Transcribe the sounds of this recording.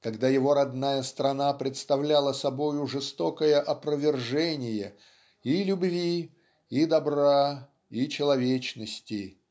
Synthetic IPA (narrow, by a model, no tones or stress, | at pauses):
kɐɡd̪ajɪvo̞ɾɐd̪najəst̪ɾɐnapɾʲɪt̪st̪ɐvlʲalˠəsɐbo̞jʊʐɨst̪o̞kəjəʔɐpɾəvʲɪrʐɛnʲɪjə | ilʲʊbvʲi | id̪ɐbɾa | it͡ɕɪlˠɐvʲet͡ɕnəsʲtʲɪ